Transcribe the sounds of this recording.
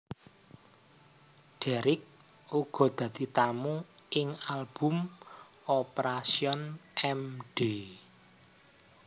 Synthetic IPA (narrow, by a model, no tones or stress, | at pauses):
ɖ̥ɛɾɪk̚ | uɡ̥ɔ̤d̪̥ä̤d̪̥i̤t̪amu | ɪŋalb̥ṳm | ɔpeɾasiɔnɛmɖ̥e